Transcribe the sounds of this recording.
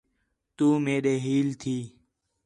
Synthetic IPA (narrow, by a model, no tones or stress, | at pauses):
t̪uːmeːɗeːɦiːlt̪ʰiː